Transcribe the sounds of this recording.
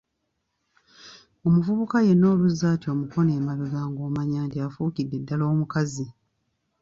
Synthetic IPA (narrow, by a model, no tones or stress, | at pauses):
o̞muvuβukaje̞no̞ːluzːaːtjo̞ːmuko̞ne̞ːmaluɡaːŋɡoːmaɲaːntiafuːkidːe̞dːalo̞ːmukazi